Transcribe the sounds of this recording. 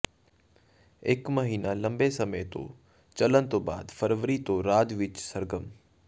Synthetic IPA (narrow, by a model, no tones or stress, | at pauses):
ɪkməɦiːnalɐ̃mbesɐməjt̪o̰ | t͡ʃɐlənt̪oba̰ːd̪fəɾʋəɾit̪oɾaːd̪ʋɪt͡ʃsəɾɡəm